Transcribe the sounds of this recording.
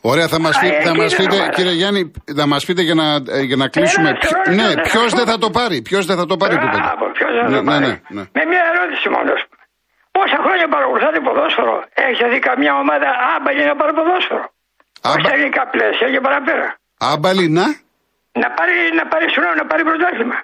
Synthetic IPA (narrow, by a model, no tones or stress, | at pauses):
o̞ɾeɐθɐmɐsiθɐmɐspit̪eciɾieʝɐninɐmɐspit̪eʝɐnɐʝɐnɐklissumenepço̞zðeθɐt̪o̞pɐɾipço̞zðeθɐt̪o̞pɐɾipuepo̰pçozðeɐonenenḛmemɲɐeɾot̪i̥simo̰no̰ɐ̰spu̥me | posɐxɾo̞ɲɐpɐɾɐɣɾuθɐt̪epoðosfoɾo̰eçiseθikɐmɲɐomɐðɐɐbɐlinɐpɐɾipoðosfoɾo | ɐoçit̪exnikɐplesiɐcepɐɾɐpeɾɐ̰ | ɐbɐlinɐ | nɐpɐɾinɐpɐɾisunonɐpɐɾipɾot̪ɐsimɐ